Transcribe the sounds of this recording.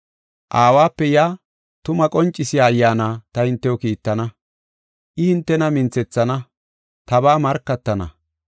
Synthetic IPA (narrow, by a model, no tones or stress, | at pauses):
ʔaːwaːpːɛjaː | t̪ʊmɐkʼɔnt͡ʃʼːɪsɪjaːjːaːnaːt̪ɐhɪnt̪ːɛwɔkiːt̪ːɐnɐ | ʔɪhɪnt̪ːɛnɐmɪnt͡sɛt͡sːɐnɐ | t̪ɐbaːmɐɾkːɐt̪ːɐnɐ̰